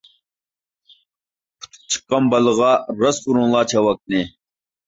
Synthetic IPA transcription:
pʰu̥t̪ʰt͡ɕʰkɐmbɐlɣɑːɾɐsuɾũlaːt͡ɕʰɐwɐk̚ne

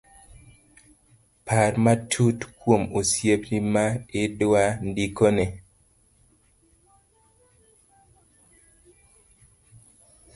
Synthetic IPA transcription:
pʰaɾmatʰutkwomusjeplimaɪdwandikone

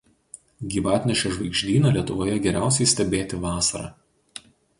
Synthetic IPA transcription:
ɡʲiːʋɑːt̪ʲnʲɛʃʲɛʒʋɐɪɡʒʲd̪ʲiːnɐˑlʲiɛt̪ʊʋoːjɛɡʲɛɾʲæˑʊsʲɛɪsʲt̪ʲɛbʲeːt̪ʲɪʋɑːsɐɾɑ̰ː

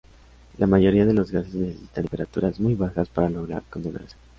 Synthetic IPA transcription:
lʔamaʝo̞ɾiaðe̞lo̞zɣase̞zne̞sesi̥t̪ampe̞ɾat̪uɾazmujβaxaspaɾalo̞ɣ̞ɾa̰ɾkont̪ena̰ɾse̥

